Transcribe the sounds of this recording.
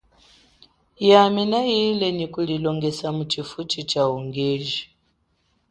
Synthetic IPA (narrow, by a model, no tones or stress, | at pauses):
jaminajilɛnikulilɔŋɡɛsamut͡ʃifut͡ʃit͡ʃauŋɡɛʒi